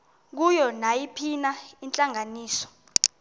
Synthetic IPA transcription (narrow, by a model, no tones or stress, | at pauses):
k̬ujɔnajipʰinaint͡ɬʼaŋaniːsɔ̥